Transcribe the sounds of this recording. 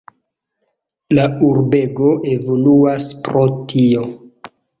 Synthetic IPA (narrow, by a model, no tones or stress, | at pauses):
lauɾbe̞ɡo̞ʔe̞vo̞luaspɾo̞tʰio̞